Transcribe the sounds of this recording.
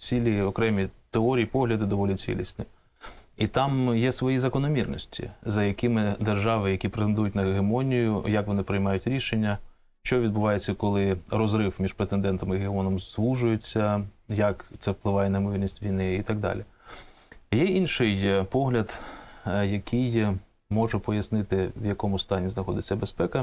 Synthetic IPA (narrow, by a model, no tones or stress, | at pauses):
t͡sʲilʲiɔkɾɛmʲit̪eɔɾʲijipɔɦlʲɐd̪ɪd̪ɔʋɔlʲit͡sʲḭlʲḭsʲnʲɪ | it̪ɑmjɛsʋɔjizɐkɔnɔmʲirnɔsʲtʲḭzɐjɐkɪmɪd̪erʒɑʋɪjɐkʲipɾet̪end̪ujʊtʲnɐɦemɔnʲijʊjɐkʋɔnɪpɾɪjmɑjʊtʲɾʲiʃenʲːɐ | ʃt͡ʃɔʋʲid̪̚bʊʋɑjet͡sʲːɐkɔlˠɪrɔzɾɪwmʲiʃpɾet̪end̪ɛnt̪ɔmiɦeɔnɔmzʋuʒʊjet͡sʲːɐjɐkt̪sɛwplˠɪʋɑjɛnɐɪmɔʋʲilʲnʲisʲtʲʋʲijnɪit̪ɐɡ̚d̪ɑ̰lʲi | jɛinʃɪjpɔɦlʲɐd̪ | jɐkʰɪj | mɔʒɛpɔjɐsnɪt̪ɪwjɐkɔmʊst̪ɑnʲiznɐxɔd̪ɪt͡sʲːɐbespɛkɐ